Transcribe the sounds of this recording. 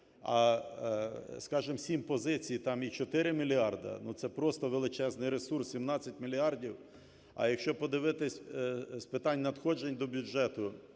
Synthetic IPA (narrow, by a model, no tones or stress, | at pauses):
ɐ | skɑʒɪmsʲimpɔzɪt͡sʲijt̪ɑmit͡ʃɔt̪ɪɾɪmʲilʲiɑrd̪ɐ̰nut̪sɛpɾɔst̪ɔʋelˠɪt͡ʃɛznɪjɾesursʲsʲimnɑt͡sʲːɐtʲmʲilʲiɑrdʲiw | ɐ̰jɐkʃt͡ʃɔpɔd̪ɪʋɪt̪ɪsʲspɪt̪ɑnʲnɐd̪xɔd͡ʒenʲd̪ɔbʲud͡ʒʒɛt̪ʊ